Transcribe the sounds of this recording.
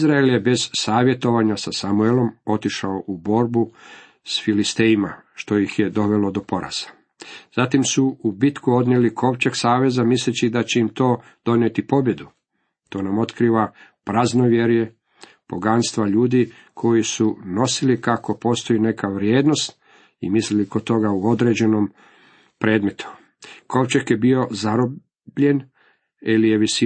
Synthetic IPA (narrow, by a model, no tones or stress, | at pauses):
izɾaeljebe̞z̥saːʋje̞t̪o̞ʋaɲasasamuelˠo̞mo̞t̪iʃaoʔubo̞ɾbu | sfilist̪eimaʃt̪o̞jixje̞d̪o̞ʋe̞lo̞d̪o̞po̞ɾa̰z̥ḁ | z̥at̪imsuubit̪kuo̞d̪nelikʰo̞ʋt͡ɕeksaːʋe̞zamislet͡ɕid̪at͡ɕe̞imt̪o̞ː | d̪̥o̞njet̪ipo̞bje̞d̪u | t̪o̞ːnamo̞t̪kɾiːʋa | pɾazno̞ʋjeɾje | po̞ɡanst̪ʋaʎuːd̪i | kʰo̞jisuno̞silikako̞po̞ːst̪o̞ine̞kʰaʋɾjeːd̪no̞st̪ | ḭmislilikot̪o̞ɡauo̞d̪ɾe̞ːd͡ʑe̞nom | pɾeːd̪me̞t̪u̥ | ko̞ʋt͡ʃakjebio̞zaɾob | bʎe̞n | ilijeʋisi